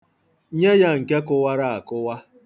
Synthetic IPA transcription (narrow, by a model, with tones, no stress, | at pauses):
ɲe˦ja˦ŋ̩˨ke˦kʊ˦wa˦ɾa˦a˨kʊ˦wa˦